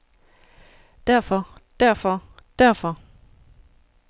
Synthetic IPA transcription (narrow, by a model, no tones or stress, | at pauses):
d̥æɐ̰fɒd̥æɐfɒd̥æɐ̰fɒ